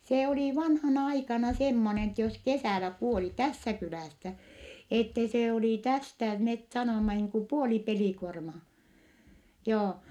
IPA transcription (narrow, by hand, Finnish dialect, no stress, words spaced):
seː oliˑ ʋɑnhɑnɑ ɑikɑnɑ semːonen etːɛ jos kesæˑlæ kuoli tæsːæ kylæˑsːæ etːe se oliˑ tæstæ met sɑnomːɑ niːŋ ku puoli pelikuormɑː joː